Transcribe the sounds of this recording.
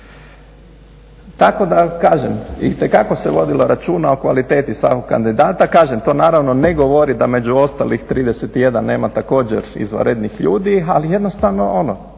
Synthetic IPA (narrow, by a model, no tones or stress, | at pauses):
t̪ako̞d̪akaːʒemit̪ekako̞seʋo̞d̪ilo̞ɾat͡ʃuːnaokʋalit̪e̞ːt̪isʋa̰ko̞ɡkːa̰nd̪id̪aːt̪akaːʒemt̪o̞ːnaːɾaʋno̞neɡo̞ʋo̞ɾid̪ame̞d͡ʑuo̞st̪a̰lixt̪ɾiːd̪eset̪ije̞d̪anːe̞ːmat̪ako̞ːd͡ʑḛɾḭzʋa̰ɾed̪nixʎuːd̪ialije̞d̪no̞st̪aʋno̞o̞no